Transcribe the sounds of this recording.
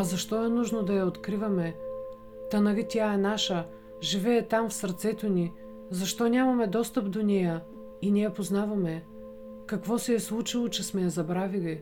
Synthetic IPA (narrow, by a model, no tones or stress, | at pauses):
ɐzɐʃt̪ɔɛnuʒnod̪ɐjɐot̪kɾivɐmɛ | t̪ɐnɐlit̪ʲjaɛnaʃə | ʒivɛːt̪amfsɐɾt̪sɛt̪oni | zɐʃt̪ɔnʲamɐmɛd̪ɔst̪əpd̪onɛjə | inʲijɐpoznavɐmɛ | kɐkvɔsɛːslˠut͡ʃilˠot͡ʃɛsmɛjɐzɐbɾavili